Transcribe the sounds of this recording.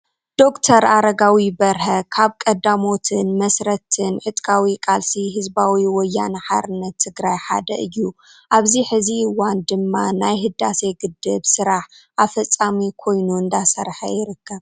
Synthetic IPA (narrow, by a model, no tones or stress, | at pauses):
d̪̥o̞kt̪ʰɐɾaɾɐɡawibɐɾhɐkʰaβkʼɐd̪amo̞t̪ʰɨnmɐsɾɐt̪ʰɨnʕɨt̪ʼkʰʼawikʼalsiɦɨzbawiwɔjːanħa̰ɾɨnːɐt̪ʰːɨɡɾajħa̰d̪ɐʔɨjːu | ʔaβziħɨziɨwand̪ɨmːanajɦɨd̪ːase̞ɡɨd̪ːɨβsɨɾaħʔafɐt͡sʼːamikʰo̞jnuɨnd̪asɐɾħɐ̰jɪɾɨkʰːɐβ